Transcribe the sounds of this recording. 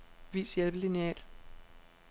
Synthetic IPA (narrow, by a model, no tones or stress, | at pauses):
ʋḭːsjelb̥əliniɛ̰ːl